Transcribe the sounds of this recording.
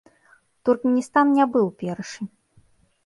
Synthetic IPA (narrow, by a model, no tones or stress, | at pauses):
t̪urkmʲɛnʲist̪annʲabɨwpʲɛrʂɨ